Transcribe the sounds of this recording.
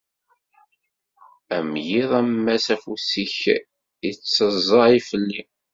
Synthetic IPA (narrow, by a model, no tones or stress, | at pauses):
æmjiðˤæmːæsæfusiç | it͡sːəzˤɑifəlːi